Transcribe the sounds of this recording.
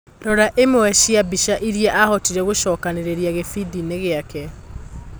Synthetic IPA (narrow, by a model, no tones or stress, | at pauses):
ɾɔɾaʔemoɛʃiabiʃaʔiɾiɛʔahɔtiɾɛɣoʃɔːkaneɾeɾiaɣefidineɣeakɛ